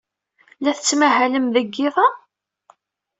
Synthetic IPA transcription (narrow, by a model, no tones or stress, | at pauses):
læθət͡sːmæɦæləmðəɡːɪðˤɑ